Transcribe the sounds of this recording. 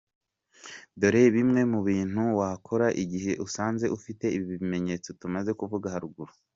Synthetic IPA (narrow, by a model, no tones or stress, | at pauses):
do̞ɾeβimŋe̞muβiːn̥huwakʰo̞ɾaʔiɟihe̞ʔusaːnze̞ʔufite̞iβiβime̞ɲe̞t͡so̞tumaze̞kuvuɡahaɾuɡuɾu